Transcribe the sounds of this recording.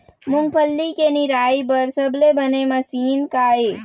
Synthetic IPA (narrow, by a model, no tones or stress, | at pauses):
mʊŋɡpʰəlːikeniɾaːibəɾsəblebənemɐsiːnkaːe